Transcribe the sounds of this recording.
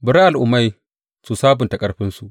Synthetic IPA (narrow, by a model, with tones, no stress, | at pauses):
bɪ˨˦ɾa˦ʔa˨lʔʊ˨ma˦j | su˨saː˦bʊ˨ntɐ˨kʼɐ˦rɸɪ˦nsu˨ʔ